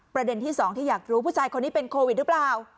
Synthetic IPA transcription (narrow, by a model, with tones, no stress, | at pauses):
pɾa˧de˧nt̪ʰiː˥˩sɔː˩˦ŋt̪ʰiː˥˩jaː˨˩k̚ɾuː˦˥pʰuː˥˩t͡ɕʰaː˧jkʰo˧nːiː˦˥pe˧nkʰoː˧wi˨˩t̪̚ɾɯ˦˥plaː˨˩w